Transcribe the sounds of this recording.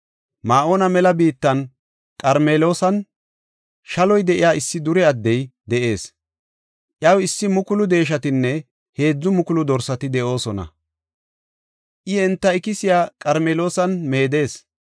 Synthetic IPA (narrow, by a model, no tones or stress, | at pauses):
maːʔoːnɐmɛlɐbiːt̪ːɐn | kʼɐɾmeːlo̞ːsɐn | ʃɐlɔjd̪ɛʔɪjaːɪsːɪd̪ʊɾɛɐd̪ːɛjd̪ɛʔe̞ːs | ʔjɐwɪsːɪmʊkʊlʊd̪e̞ːʃ̬ɐt̪ɪnːɛ | he̞ːd͡zːʊmʊkʊlʊd̪ɔɾsɐt̪ɪd̪ɛʔo̞ːsɔnɐ̰ | ʔɪɛnt̪ːɐɪkɪsɪjaːkʼɐɾmeːlo̞ːsɐnme̞ːd̪e̞ːs